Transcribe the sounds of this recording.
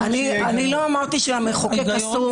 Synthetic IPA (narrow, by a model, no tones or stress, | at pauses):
anianiloamaʁt̪iʃeamiχokeasu